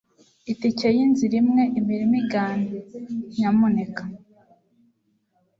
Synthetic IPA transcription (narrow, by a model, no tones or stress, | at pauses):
iticejinziɾimŋeʔimiɾimiɡaːndeɲamunekḁ